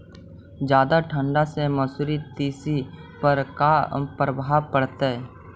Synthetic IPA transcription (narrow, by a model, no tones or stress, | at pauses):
d͡ʒjaːd̪aʈʰə̃ɳɖaseməsuɾit̪iːsipəɾkapɾəbʱaːpəɽt̪e